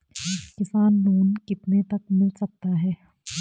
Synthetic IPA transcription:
kɪsaːnːuːnkɪpnet̪ɐkmɪlsɐk̚t̪aɦɛː

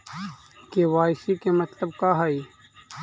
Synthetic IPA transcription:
kewaːɪsikemɐt̪ləb̚kaɦai

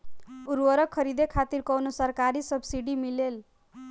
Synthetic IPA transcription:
uɾwʌɾʌkʰːʌɾid̪ekʰat̪irkʌwnosʌrkaɾisʌbsiɖimilel

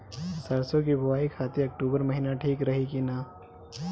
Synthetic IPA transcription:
səɾsok̬ibʱɐʋaːikʰaːt̪iɐk̚ʈuːbəɾmɐɦinaʈʰiːkɾɐɦikina

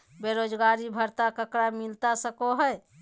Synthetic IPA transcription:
beɾod͡ʒɡaɾibʱəɾt̪akəkɾamilt̪asəkoɦəj

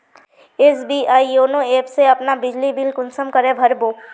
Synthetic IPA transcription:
esbiːʔaːioːnoeːpseɐpnabɪd͡ʒlibilkʊnsəmkɐɾẽbʱɐɾboː

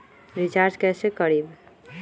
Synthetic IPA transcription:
ɾid͡ʒaɾd͡ʒkɛsekəɾib

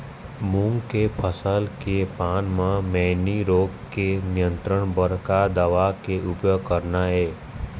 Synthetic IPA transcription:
mʊ̃ŋɡkepʰəsəlkepanmãmeniɾoɡkenijə̃nt̪ɾəɳbəɾkad̪əʋakeʔʊpjoɡ̚kəɾnaeː

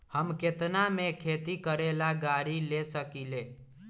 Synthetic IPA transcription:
həmket̪namekʰeːt̪ikəɾelaɡaːɾilesəkileː

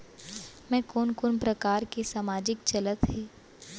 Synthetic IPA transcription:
mɛ̃ːkoːnkoːnpɾɐkaːɾkesaːmaːd͡ʒɪkt͡ʃɐlət̪ɦiː

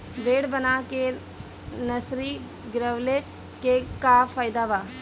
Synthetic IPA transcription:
beːɽbənaːke | nəsɾiː | ɡɪɾəʋleː | kekaːfʰaːɪd̪aːʋaː

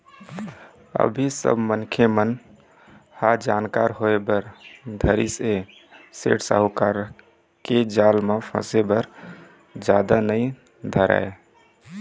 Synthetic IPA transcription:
ə̰bʱisə̰bmənkʰemən | had͡ʒankaɾɦoebəɾd̪ʱəɾise | sḛʈsa̰ɦukaɾ | ked͡ʒalmepʰə̰̃sebəɾ | d͡ʒad̪anəɪ | d̪ʱəɾa̰ɪ

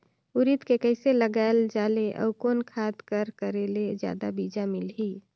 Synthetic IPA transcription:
uɾit̪kekəɪseləɡaeld͡ʒaːleʔə̰ukoːnkʰad̪kəɾkəɾeled͡ʒja̰ːd̪abid͡ʒamɪlɦi

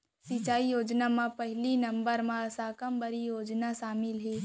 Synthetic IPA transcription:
sit͡ʃaːijoːd͡ʒnamãpɐɦlinɐ̃mbəɾmãsaːkəmbɐɾijoːd͡ʒnaʃaːmɪlɦe

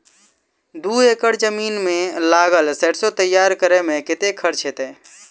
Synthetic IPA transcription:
d̪uekəɽd͡ʒəminmelaɡəlsɛʈsot̪əjːaɾkəɾɛmeket̪ekʰəɾt͡ʃʰɦet̪e

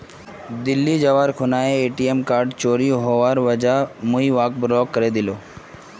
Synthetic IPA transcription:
d̪ilːid͡ʒaʋaɾkʰʊnaeeʈiemkaɾɖt͡ɕoɾiɦɔʋaɾʋəd͡ʒamuiʋak̚bɾɔɡ̚kːəɾed̪ilo

